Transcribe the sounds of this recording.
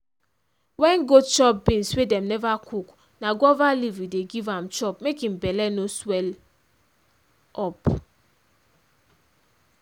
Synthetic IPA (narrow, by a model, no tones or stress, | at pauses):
wɛnɡot͡ʃɔp̚bĩnswedɛmnɛvakʰuk | naɡɔvalivɾideɡivãmt͡ʃɔpmekĩm̩bɛlɛnoswɛl | ɔp